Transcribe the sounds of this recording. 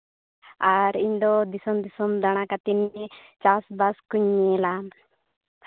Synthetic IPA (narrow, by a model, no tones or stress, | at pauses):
aɾiɲd̪ɔd̪isɔmd̪isɔmd̪aɽ̃akat̪init͡ʃasbaskuɲːelam